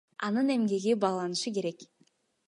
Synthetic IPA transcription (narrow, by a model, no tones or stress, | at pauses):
ɑ̰nɯne̞mɡe̞ɡibɑːlˠɑnɯʃɯke̞ɾe̞k